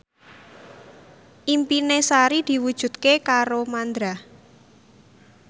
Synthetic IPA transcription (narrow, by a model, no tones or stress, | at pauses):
ʔimpinesaɾid̪̥i̤wud̥ʒ̥ṳd̪̚kekaɾomand̪ɾa